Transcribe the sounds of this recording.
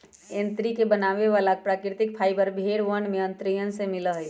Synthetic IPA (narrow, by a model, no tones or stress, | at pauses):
ẽnt̪ɾikebənaːʋeʋaːlak̚pɾaːkɾɪt̪ɪk̚pʰaːibəɾbʱeːɽʋənmẽə̃nt̪ɾijənsemɪləɦe